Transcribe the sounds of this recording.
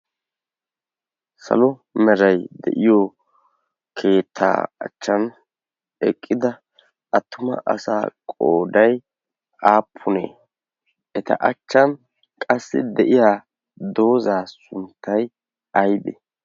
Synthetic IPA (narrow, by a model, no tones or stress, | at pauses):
sɐ̰lɔmɛɾɐjd̪ɛ̰ʔɪjo | kʰe̞ːt̪ʰːa̰ːɐ̰t͡ʃːɐn | ɛkʼːɪd̪ɐ | ɐt̪ːʊmɐ̰ʔɐ̰sa̰ːkʼoːd̪ɐj | aːpʰːʊnḛː | ʔɛt̪ɐ̰ʔɐt͡ʃːɐn | kʼɐsːɪd̪ɛʔɪjaː | d̪o̞ːzaːsʊnt̪ːɐj | ɐjb̪ɛ̰